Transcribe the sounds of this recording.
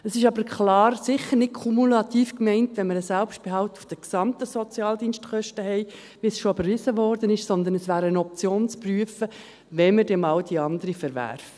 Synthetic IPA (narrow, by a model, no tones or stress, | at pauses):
əsɪʃɑbəɾkχlɑːɾsɪχəɾnɪt̚kʰumulɑt̪iːfkmɛɪntʋɛnməɾəsɛlpʃt̚b̥eɦɑʊt̪ufd̥əksɑmt̪əsɔt͡sjɑːldiːnstkʰχœʃtəɦɛɪ | ʋisʃɔøbəɾʋɪzəʋɔːɾd̥ənɪʃsɔnd̪ənəsʋæːɾənɔp̚t͡sjoːnt͡spryəfə | ʋɛnməɾd̥ɛmɑldiɑnd̪əɾifəɾʋæ̰ɾf